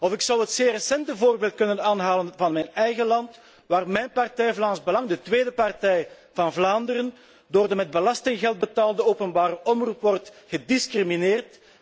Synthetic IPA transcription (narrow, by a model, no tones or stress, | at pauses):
ɔfɪksɑwɦətseːrəsɛntəvoːrbeːlˠt̚kɵnənaːnɦaːlənvɑnmɛjnɛjɣəlɑnt | ʋaːrmɛjnpɑrtɛjvlaːnzbəlɑŋdətweːdəpɑrtɛj | vɑnvlaːndəɾən | doːrdəmɛd̚bəlɑstɪŋɣɛlˠd̚bətaːlˠdəoːpənbaːɾəʔɔmrupʋɔrtɣədɪskrimineːrt